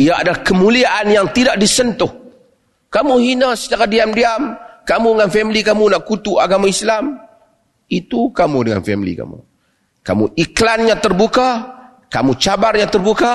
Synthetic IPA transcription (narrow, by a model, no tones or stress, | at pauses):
ijaadalahkəmuliaʔanjaŋt̪idaʔdisənt̪ʊh | kamuhinasə̥t͡ʃakadiamdiamkamudəŋanfɛmlikamunaʔkut̪uaɡamaislam | it̪ukamudəŋa̰nfɛmlḭka̰mṵ | ka̰mṵʔiklanɲãt̪ərbuka | kamut͡ʃabarɲãt̪ərbuka